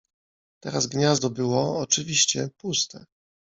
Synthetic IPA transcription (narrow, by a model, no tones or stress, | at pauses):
t̪ɛɾazɡɲazd̪ɔbɘwɔːt͡ʂɘvʲiɕt͡ɕɛpust̪ɛ